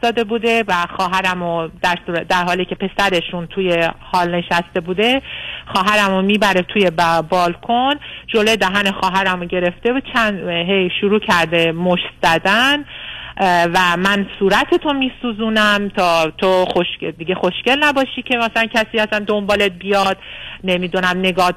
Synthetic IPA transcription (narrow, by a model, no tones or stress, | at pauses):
ɒːd̪e̞buːd̪e̞væxɒːɦæɾæmod̪̥æɾsuːɾd̪æɾɦɒːliːcʲʰe̞pe̞sæɾe̞ʃunt̪ʰuje̞hɒːlne̞ʃæst̪e̞buːd̪e̞xɒːɦæɾæmomiːbæɾet̪ʰuje̞bbɒːlkʰond͡ʒolod̪æɦænexɒːɦæɾæmoɟe̞ɾe̞ft̪e̞buːd̪̥̚t͡ʃʰænd̪ɦejʃuɾuːcʰæɾd̪e̞moʃt̪z̥æd̪æn | væmænsuːɾæt̪ʰet̪ʰo̞miːsuːzuːnæmt̪ʰɒːt̪ʰoxoʃed̪iɡe̞xo̞ʃce̞lnæbɒːʃiːcʰe̞mæsælæncʲʰæsiːæsænd̪o̞mbɒːlet̪̚bijɒd̪ne̞miːd̪unæmne̞ɡɒːd̪̚